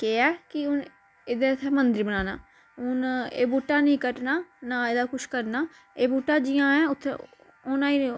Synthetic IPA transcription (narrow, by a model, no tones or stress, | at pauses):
keːɛːkɪʊn | ɪd̪eːt̪ʰːeːmənd̪ɪɾbənaːna̰ː | ʊnḛːbuːʈaːnĩːkəʈnaːnaːeːd̪aːkʊʃkəɾnaː | eːbuːʈːaːd͡ʒɪjãːɛ̃ːʊt̪ʰːḛ | oːnãːiː